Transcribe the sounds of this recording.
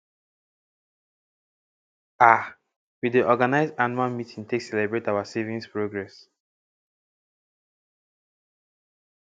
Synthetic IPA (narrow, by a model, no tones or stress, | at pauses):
a | widiʔɔɡanaɪzdanalmitʰĩŋtʰeksɛlɛbɹetawasevĩnspɹoɡɹɛs